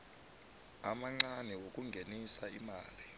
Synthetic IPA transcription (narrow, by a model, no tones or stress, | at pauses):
amaŋ͡ǀanɛwokʼuŋɡʱenisaimaːli